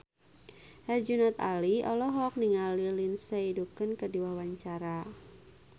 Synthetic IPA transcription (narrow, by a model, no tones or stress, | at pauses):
hɛrd͡ʒunat̪a̰liɔlɔɦɔk̚niŋalilinseidukənkədiwawaɲt͡ʃaɾa